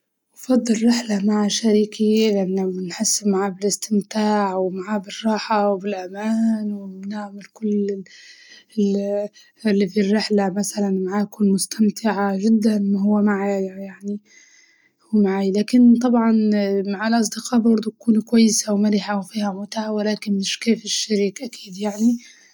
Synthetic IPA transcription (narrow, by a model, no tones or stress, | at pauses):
wfɑd̪ˤːɨlɾɪħlamaʕaʃaɾiːkilɪʔanːamɪnħɪsːmaʕaːbɪlɪst̪ɪmt̪aːʕwmaʕaːbɪrˤːɑːħawbɪlʔamaːnwɪmnaʕmalkʊlː | lːifirːɪħlamaθalanmaʕaːʔkʊnmʊst̪amt̪ʰɪʕaʒɪd̪ːanmaɦʊwːamaʕajjaʕni | wmaʕaːjlaːkɪnt̪ˤɑbʕɑnmaʕalʔɑsˤd̪ɪqɑːbɑɾˤd̪ˤukuːnkwajːɪsawmalɪħawfiːhamʊt̪aʕawɪlaːkɪnːɪʃkeːfɪʃːaɾiːkʔaki̥ːd̪jaʕni